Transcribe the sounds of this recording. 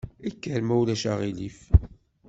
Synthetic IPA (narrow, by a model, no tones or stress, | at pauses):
ækːəɾmæwlæʃaʁilif